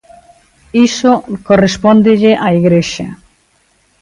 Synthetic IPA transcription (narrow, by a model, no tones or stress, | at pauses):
isokorespond̪eʎeʔaiɣɾeʃja